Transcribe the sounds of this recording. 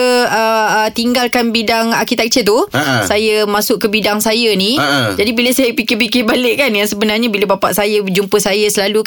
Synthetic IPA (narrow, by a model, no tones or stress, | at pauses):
ət̪iŋɡalkanbidaŋa̰rkit̪ak̚t͡ʃət̪̬usajəmãsʊʔkəbidaŋsajanid͡ʒadibilasajəpikɪpikɪbalɪʔkanjaŋsəbənarɲabilabapa̰ʔsajad͡ʒumpəsajasəlaluk